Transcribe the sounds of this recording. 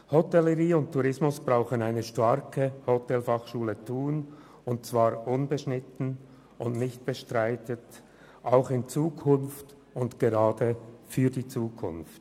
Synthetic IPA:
hɔtɛləʁiːʊnttʰːuʁɪsmʊsb̥ʁaʊxənaɪnəʃtaɾkəhotɛlfɑχʃuːlətʰuːn | ʊnt̚t͡sv̥aːɾʔʊnbəʃnɪtn̩ | ʔʊndnɪçt̚b̥əʃtʁaɪtət | ʔaʊxɪnt͡suːkʰʊnft | ʊntɡ̥eʁaːdəfyːɐdiːt͡suːkʰʊnft

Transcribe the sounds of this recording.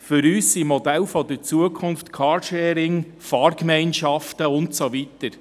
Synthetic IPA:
fʏɾyːsːimɔdɛlfɔdəɾt͡suəkʰʊnftkʰɑɾʃɛːɾɪŋ | fɑːɾkmɛɪnʃɑftəʊntsoʋitəɾ

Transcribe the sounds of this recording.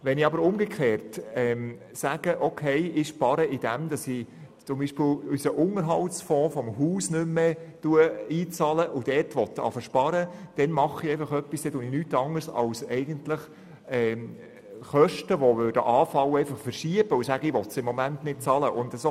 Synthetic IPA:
ʋɛniɑbəɾʊmɡ̥ekʰχeːɾtɛm | sæɡ̥əʔɔkʰeɪɪʃpɑɾəɪd̥æmd̥̪ɑsi | t͡sʊmbiːʃpɪlysəʔʊŋəɾɦɑltsfɔ̃ːfɔmɦuːsnʏmːetuəiːt͡sɑləʔʊd̥ɛtʋɔt̪ːɑ̰fəʃpɑɾəd̥ɛnmɑχiɛɪfɑχœpːisd̥̪ɛt̪uːnɪnyːtɑŋəɾsɑ̰wsɛɪɡ̥əntləχ | ɛː | χœʃtəʋɔʋøːrd̥əʔɑːfɑwəɛɪfɑχfəɾʃiəb̥əʊsæɡəɪʋɔt̪sɪmːɔmæntnɪt̚t͡sɑləʔʊndəso

